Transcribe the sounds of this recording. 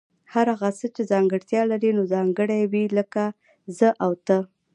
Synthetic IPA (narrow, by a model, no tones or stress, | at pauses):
haɾaɣasət͡ʃezɑŋɡəɽt̪jɑlaɾinozɑŋɡəɽajwiləka | zəʔawt̪ə